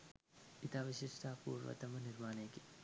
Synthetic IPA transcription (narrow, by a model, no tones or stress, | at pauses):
it̪aːʋiʃɪʃʈ̪ʰaːpṵːɾʋɐ̰t̪ɐmɐnɪɾmaːneːki̥